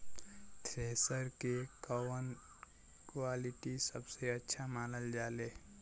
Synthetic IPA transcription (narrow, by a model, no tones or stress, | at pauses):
t̪ʰɾeːsəɾkekɔːmən | kwaːlɪʈisəbseətːʃʰamaːnəld͡ʒaːleː